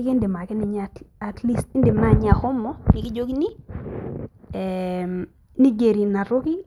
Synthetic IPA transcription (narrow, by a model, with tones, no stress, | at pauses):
ki˦ndi˨ma˨ki˦ni˨ɲaa˨tli˦sti˦ndi˨ma˦ɲ˦a˨xɔ˦mːɔ˦pi˨ki˦d͡ʒo˦ki˦ni˦ | ɛm | ni˦ɡe˨ɾi˨na˨ɾo˦ki˦